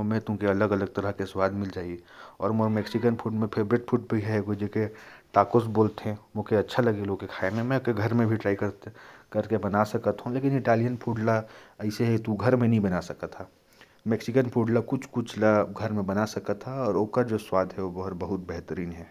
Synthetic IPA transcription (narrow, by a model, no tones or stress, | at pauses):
mɛ̃t̪ʊ̃keɐləɡɐləɡ̚t̪ɐɾəɦkeswaːd̪ʱmɪld͡ʒaːiɔːɾmoɾmeksɪkənpʰuʈmẽpʰeɾbɾɪʈ̚pʰuʈ̚bʱiɦɛɡod͡ʒekeʈaːkosboːlt̪ɦɛ̃mõkeɐtːʃʰalɐɡeloːkekʰaːemẽmɛ̃keɡʱɐɾmẽbʱiʈɾaːikəɾkɐɾkebɐnasɐkət̪ɦũleːkɪnɪʈaːlijənpʰuːɖlaɛɪseɦɛit̪uɡʱɐɾmẽnəɦĩbɐnasɐkat̪ʰːaː | meksɪkənpʰuːɖlakʊt͡ʃʰkʊt͡ʃʰlaɡʱɐɾmẽbɐnasɐkat̪ʰːaɔːɾoːkad͡ʒoːswaːd̪ʱɦɛʋobɐɦʊɾbɐɦʊt̪̚bɛɦt̪əɾiːnɦɛː